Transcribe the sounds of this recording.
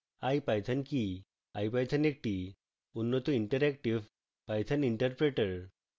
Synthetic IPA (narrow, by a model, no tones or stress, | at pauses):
ajpajt̪ʰanki | ajpajt̪ʰanek̚ʈi | unːɔt̪uiɳʈəɾɛkʈiʋ | pajt̪ʰaniɳʈəɾpɾeʈəɾ